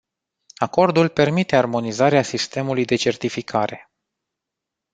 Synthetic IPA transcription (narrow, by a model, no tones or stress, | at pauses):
ako̞rd̪ulpe̞rmit̪e̞armo̞nizaɾeasist̪e̞mulujd̪e̞t͡ʃe̞rt̪ifikʰaɾe̞